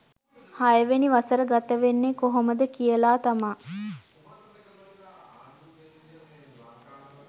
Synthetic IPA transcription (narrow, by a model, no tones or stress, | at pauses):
hajəʋeniʋasəɾəɡat̪əʋenːekoɦoməd̪əkijəlaːt̪amaː